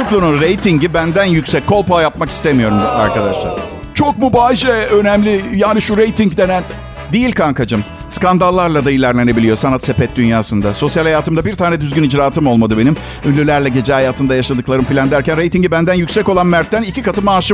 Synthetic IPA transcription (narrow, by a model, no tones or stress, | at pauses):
uklˠununɾejt̪ʰiɲɟibænd̪ænjycsɛc̚kʰːo̞lˠpajapmaki̥st̪ʰemijo̞ɾuma̰ɾkad̪aʃlˠa̰ɾ | t͡ʃʰok̚mubaːʃɛø̞nɛmlʲɪjaːniʃuɾejt̪iŋcd̪e̞næn | d̪ijilʲkʰaŋkad͡ʒɯm | skand̪alˠːaɾlˠad̪ailʲæɾlʲe̞ne̞bilʲijo̞sanat̪se̞pɛt̪̚d̪ynjaːsɯnd̪aso̞sjalʲhajaːt̪ɯmd̪abiɾt̪ʰaːnɛd̪yzɡʲynid͡ʒɾaːt̪ʰɯmo̞lˠmad̪ɯbe̞nim | ynlʲylʲæɾlʲɛɟe̞d͡ʒɛɦajaːt̪ʰɯnd̪ajaʃˠad̪ɯklˠaɾɯmfilʲand̪æɾcænɾe̞jt̪iɲɟibænd̪ænjycʲsɛco̞lˠanmæɾt̪ːænilcikat̪ʰɯmaːʃɯ